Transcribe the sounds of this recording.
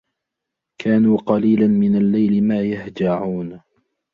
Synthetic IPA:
kʰaːnuːqɑliːlanmɪnalːajlɪmaːjahd͡ʒaʕuːn

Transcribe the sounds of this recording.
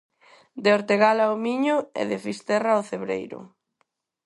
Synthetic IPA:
d̪eoɾt̪eɣalaomiɲʊḛðefist̪ɛraoθeβɾḛjɾʊ̰

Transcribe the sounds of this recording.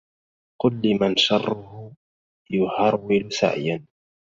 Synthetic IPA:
qʊlːimanʃɑrˤːʊhʊ | jʊhɑɾwɪlʊsa̰ʕjan

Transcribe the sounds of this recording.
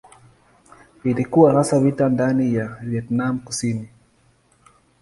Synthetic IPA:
ilikuwahasavitandanijavjɛtnam̩kusini

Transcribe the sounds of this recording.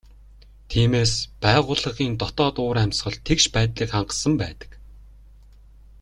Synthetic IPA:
t̪ʰiːmeːspæːʁʊːɮə̆χiːnt̪ɔt̪ɔːt̪ʊːɾæmʲsχɞ̆ɮt̪ʰekʃpæːt̪ɮiːkχaɴɢə̆sə̆mpæːt̪ə̥̆k

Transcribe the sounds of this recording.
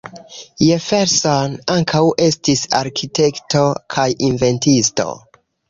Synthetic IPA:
jefeɾsonaŋkʰawe̞stisa̰ɾkʰite̞kto̞kʰajinve̞ntisto̞̰

